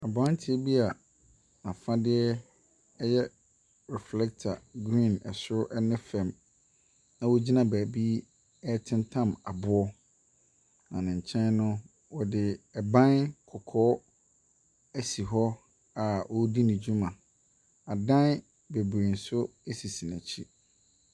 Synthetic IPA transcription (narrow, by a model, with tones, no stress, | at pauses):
a˨bã˨˦n˦tʰɪ˦ɛ˦bi˦a˨ | a˨fã˦dɪ˦ɛ˦ | ɛ˦jɛ˦ | ɾɛ˨flɛ˦k̚tʰa˨ɡɾĩ˦˨nɛ˨sʊ˦ʔɛ˦nɪ̃˦fɛ̃˨m | nã˦wo˦d͡ʑi˦nã˦˨bæː˨bi˦ | ɛ˦tʰɪ̃˦n˦tʰã˦ma˨bʊ˦ɔ˦ | nã˨nɪ̃˨ɲ̩˨t͡ɕʰɛ̃˦nnʊ̃˦ | wɔ˨dɪ˨ɛ˨bã˦nkʰɔ˨kʰɔː˦ | æ˦si˨ɦɔ˦ | a˨wɔ˦di˦nɪ̃˨d͡ʑu˦mã˨ | a˨dã˦n˦ | be˨bɾe˨n̩˨sʊ˦e˦si˨si˨næ̃˨t͡ɕʰi˦